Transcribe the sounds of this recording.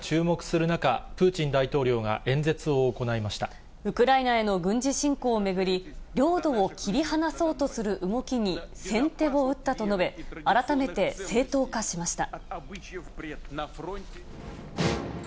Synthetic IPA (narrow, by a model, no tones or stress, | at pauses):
t͡ɕɨːmo̞kɯ̟̥sɨɾɯ̟nakapɯ̟ːt͡ɕĩnd̪ait̪o̞ːɾʲo̞ːɡa̰ʔẽ̞nd͡ze̞t͡sɨo̞ːko̞naimaɕi̥t̪a | ɯ̟kɯ̟ɾainae̞no̞ɡɯ̟̃ɲ̟d͡ʑiɕĩŋko̞ːme̞ɡɯ̟ɾʲiɾʲo̞ːd̪o̞ːkʲʰiɾʲihanaso̞ːt̪o̞sɨɾɯ̟ʔɯŋo̞kʲiɲ̟isẽ̞nt̪e̞βo̞ɯ̟t̪ːat̪o̞no̞be̞aɾat̪ame̞t̪e̞se̞ːt̪o̞ːkaɕimaɕi̥t̪a